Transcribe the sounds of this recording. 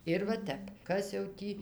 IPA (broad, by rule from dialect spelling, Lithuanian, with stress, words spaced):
ɪr ʋɐ ˈtʲɛp ˈkɐs jɛʊ ˈtʲiː